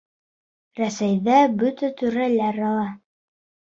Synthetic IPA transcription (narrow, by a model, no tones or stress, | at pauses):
ɾæsæjðæbɵt̪æt̪ʉɾælæɾɑlˠɑ